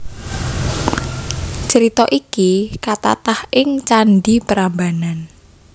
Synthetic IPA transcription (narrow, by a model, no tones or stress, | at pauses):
t͡ʃəɾit̪ɔʔikikat̪a̰t̪ahɪŋt͡ʃanɖipəɾambanan